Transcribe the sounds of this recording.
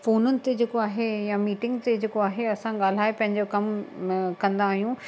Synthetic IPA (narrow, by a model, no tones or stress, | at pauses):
foːnʊnɪ̆t̪ed͡ʑeːkoaːɦejamiːʈɪ̃ŋɡt̪ed͡ʑeːkoaːɦeɐsãɠaːl̤aːepɐ̃ɦɪɲd͡ʑokɐmkɐ̃nd̪aːɦijũ